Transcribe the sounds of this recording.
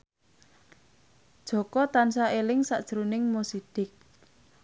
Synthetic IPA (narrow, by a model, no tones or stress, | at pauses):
d̥ʒ̥ɔ̤kɔt̪ansaelɪŋsa̰ʔd̥ʒ̥əɾunɪŋmosiɖ̥ɪk̚